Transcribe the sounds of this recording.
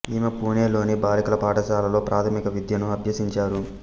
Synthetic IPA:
iːmɐpuːneːlo̞ːnibaːlikulɐpaːʈɐʃaːlɐlo̞ːpɾʔaːt̪ʰɐmikɐʋid̪jɐnuɐbʱjɐsiɲt͡ʃaːɾu

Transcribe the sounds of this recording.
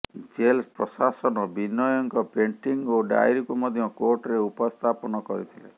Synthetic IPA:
d͡ʒelspɾɔsasɔnɔbinɔjɔŋkɔpeɳʈiŋɡoɖa̰jɾikumɔd̪ʱjɔkoɾʈɾeupɔst̪ʰapɔnɔkɔɾit̪ʰilḛ

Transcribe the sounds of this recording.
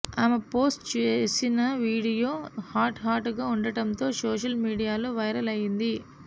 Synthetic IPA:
aːmepoːsʈt͡ʃeːsinɐʋiːɽijo̞ːhaːɾʈɦaːɾʈuɡaːuɳɖɐʈɐnt̪o̞ːsoːʂɐlmiːɽijaːloːʋɐjɾɐlɐjind̪i

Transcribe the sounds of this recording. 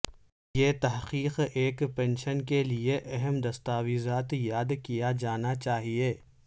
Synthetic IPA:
jeːt̪ɐɦqiːqeːkpɛ̃nʃənkelieʔɛɦɛmd̪ɐst̪aːʋizaːt̪jaːd̪kijad͡ʒaːnat͡ʃaːɦieː

